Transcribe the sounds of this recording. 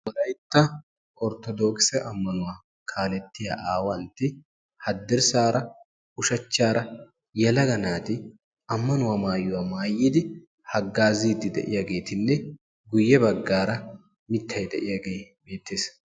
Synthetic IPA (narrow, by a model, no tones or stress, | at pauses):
wɔlɐjt̪ːɐ | ʔɔɾt̪ɔd̪oːksɛʔɐmːɐnʊwaː | kʰaːlɛt̪ːɪja̰ːʔaːwɐnt̪ːɪ | hɐd̪ːɪɾsaːɾɐ | ʊʃɐt͡ʃːaːɾɐ | jɛlɐɡɐnaːt̪ɪ | ɐmːɐnʊwaːmaːjːʊwamaːjːiːd̪ɪ | hɐɡːaːziːd̪ːɪd̪ɛ̰ʔɪjaɡe̞ːt̪ɪnːɛ | ɡʊjːɛbɐɡːaːɾɐ | mɪt̪ʰːɐjd̪ɛʔɪjaɡeːbe̞ːt̪ːeːs